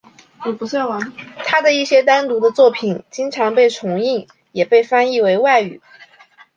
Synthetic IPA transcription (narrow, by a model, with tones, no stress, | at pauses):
ɔ˨˩pu˧˥ɕa˥˩wa˧˥nt̪ʰa˥d̪ə˨i˥˩ɕjɛ˥t̪a˥nt̪u˧˥d̪ə˧t͡swɔ˥˩pʰi˨˩nt͡ɕi˥ŋʈ͡ʂʰɑ˧˥ŋpe˥˩ɪʈ͡ʂʰʊ˧˥ŋi˥˩ŋ | jɛ˨˩pe˥˩ɪfa˥ni˥˩we˧˥ɪwa˥˩ɪy̰˨˩